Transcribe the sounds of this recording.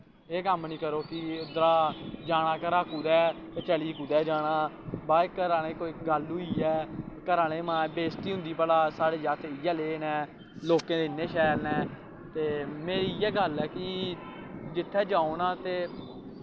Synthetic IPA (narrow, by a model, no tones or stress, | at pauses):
eːkəmnĩːkəɾoːkɪd̪ɾaːd͡ʒaːɽ̃aːkəɾaːkuːd̪ɛːt̪eːt͡ʃəliːkuːd̪ɛːd͡ʒaːɽãː | baːkəɾaːnẽːkoːiɡəluːiːɛːkəɾaːneːmãːbeːst̪iːɦʊ̃nd̪iːpəlaːsaːɽeːd͡ʒaːt̪ɪjɛːleːnɛː | loːkẽːd̪eɪnːeːʃɛːɾnɛː | t̪eːmeːɾiɛːɡəlɛːkɪ | d͡ʒɪt̪ʰːɛːd͡ʒãːoːnãːt̪eː